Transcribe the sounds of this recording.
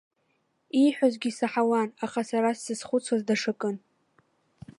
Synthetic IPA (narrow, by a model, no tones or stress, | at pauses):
iħʷᶣazɡʲisaħawanaχasaɾasːɨsχʷʊt͡sʰwazdaʂɨkʼɨn